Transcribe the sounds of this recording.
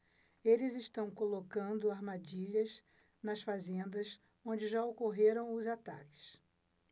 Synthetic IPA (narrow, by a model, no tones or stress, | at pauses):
elɪzɪʃt̪ɐ̃w̃kolokɐ̃nd̪ʊaɾmad͡ʒiʎɐz | nɐsfazẽnd̪ɐs | õd͡ʒɪʒaokoɦeɾɐ̃w̃ʊzat̪a̰kɪ̥s